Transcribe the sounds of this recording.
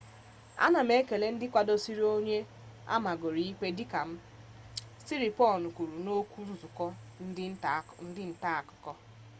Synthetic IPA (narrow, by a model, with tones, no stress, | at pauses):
a̰˦na˨m̩˦e˦ke˨le˦n̩˦dɪ˦kʷa˨do˦si˦ɾi˦o˦ɲe˦ | a̰˦ma˨ɡo˨ɾi˦i˦ke˦di˦ka˨m̩˦ | si˦ɾi˨pɔ˦˨nu˨kʷu˨ɾu˨no˦kʷu˦zʊ˨kɔ˦n̩˦dɪ˦n̩˦˨n̩˦dɪ˦n̩˨ta˦a˨kʊ̥˨kɔ˦